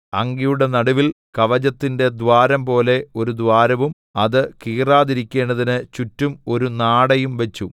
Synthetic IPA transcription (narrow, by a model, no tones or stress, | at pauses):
ɐŋɡijuɽe̞nɐɽuʋil | kɐʋɐd͡ʑɐt̪ːinde̞d̪ʋaːɾɐmpo̞ːle̞o̞ɾud̪ʋaːɾɐʋum | ɐðɨkiːraːðiɾikʲːe̞ːɳɖɐðinɨt͡ɕutːumo̞ɾunaːɽɐjumʋe̞t͡ɕːu